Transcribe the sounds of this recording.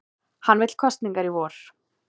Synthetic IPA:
hanːvɪt̪l̥kʰɔst̪niŋkaɾivɔːɾ̥

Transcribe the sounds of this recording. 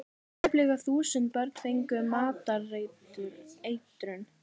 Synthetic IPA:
plɛɣaθuːsʏnt̪̚pœɾt̪n̥fejŋkʏmaːt̪arejt̪ʏɾejt̪ɾʏn

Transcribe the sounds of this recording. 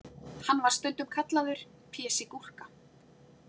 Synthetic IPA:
hanːvaɾ̥st̪œnt̪ʏmkʰat̪laðʏɾ̥ | pʰɛːsɪkur̥ka

